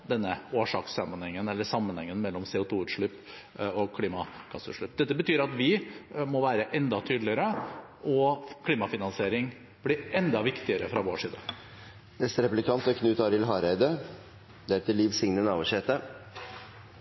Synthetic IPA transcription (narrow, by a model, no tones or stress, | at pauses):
d̪ɛnːəoːʂɑːksɑmənhɛŋːənɛlːəʂɑmːənhɛŋːənmɛlːɔmseːʊt̪ʰuːʉːt̪ʂɭʉp | okʰliːmɑkʰɑsːʉ̰t̪ʂɭʉp̚d̪ɛt̪ːəbət̪ʰyːɾɑt̪ʋɪmɔʋæːɾəʔɛnd̪ɑt̪ʰyːd̪lɪəɾə | ʔɔkʰliːmɑfɪnɑnseːɾɪŋ | blɪɛnd̪ɑʋɪkt̪ɪəɾəfɾɑʋoːʂiːd̪n | nɛst̪əɾɛplɪkʰɑnt̪ɔkʰnʉːt̪ɑɾɪlɦɑːɾæɪd̪ə | d̪ɛæɾt̪ʰɪlːiːʋsɪŋnənɑːʋəʂɛːt̪ə